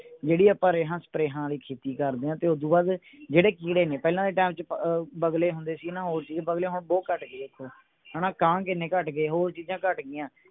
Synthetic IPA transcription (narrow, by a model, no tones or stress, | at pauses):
d͡ʒeːɽiːəpaːɾeːɦãːsə̥pɾeːɦãːliːkʰeːt̪iːkəɾd̪eːãːt̪eːʊd̪ũːbaːd̪ | d͡ʒeːɽeːkiːɽeːneːpɛːlãːd̪eːʈaːmt͡ʃbəɡleːɦʊ̃nd̪eːsiːnãːɦoːɾt͡ʃiːz̃ːbəɡleːɦʊɳboːkəʈɡeːd̪eːkʰːoː | ɦənãːkãːkɪnẽːkəʈɡeːɦoːɾt͡ʃiːzãːkəʈɡɪjãː